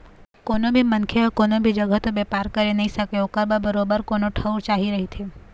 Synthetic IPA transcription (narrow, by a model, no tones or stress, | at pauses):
koːnobʱimənkʰeəkoːnobʱid͡ʒəɡəɦt̪obeːpaːɾkəɾenɐɦĩsəkeokəɾbəbəɾoːbəɾkoːnoʈʰəwɾt͡ʃaːɦiɾɐɦit̪ʰeː